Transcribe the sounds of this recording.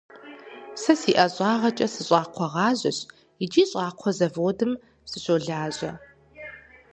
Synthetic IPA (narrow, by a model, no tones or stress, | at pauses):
sɐsiːʔɐɕʼɑːʁɐt͡ʃʼɐsɨɕʼɑːqʷʰɔʁɑːʑɐ̰ɕ | ɪd͡ʒiːɕʼɑːqʷʰɔzɐvoːdɨm | sɨɕoːɮaːʑɐ